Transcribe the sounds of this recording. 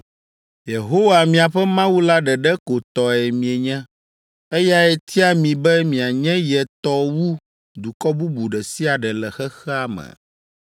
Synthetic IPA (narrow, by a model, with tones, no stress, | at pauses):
je˨ɦo˦wa˨mĩ˨a˨ɸɛ˦mã˦wu˦la˦ɖɛ˨ɖɛ˦ko˨t̪ɔ˨ɛ˨mĩ˨e˨ɲɛ̃˦ | ɛ˦ja˦ɛ˦t̪ʰi˦a˦mĩ˨bɛ˦mĩ˨a˨ɲɛ̃˦jɛ˨t̪ɔ˦wu˦ | d̪u˨kɔ˦bu˦bu˨ɖɛ˨si˦a˨ɖɛ˨lɛ˨xɛ˦xɛ˦a˨mɛ̰̃˨